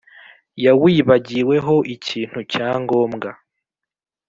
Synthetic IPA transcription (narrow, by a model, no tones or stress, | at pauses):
jawiːβaɟiwe̞ɦo̞ʔiciːn̥hucaːŋɡo̞ːmɡa